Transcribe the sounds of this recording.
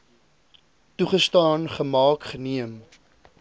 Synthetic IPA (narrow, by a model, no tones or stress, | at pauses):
tuχəstɑːnχəmɑːkχəniəm